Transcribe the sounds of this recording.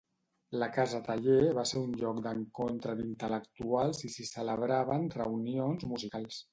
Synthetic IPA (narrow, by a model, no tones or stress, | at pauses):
ləkazət̪aʎeβaseɾunʎɔkd̪əŋkont̪ɾəd̪int̪ələkt̪ualˠzisisələβ̞ɾaβənrəwnionzmuzikalˠs